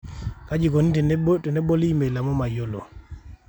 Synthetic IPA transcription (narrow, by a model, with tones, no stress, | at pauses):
ka˦d͡ʒi˨ko˨ni˦ttɔ˨nɛ˦bo˦li˦me˨la˨mɔ˦ma˨jo˦lo̰˨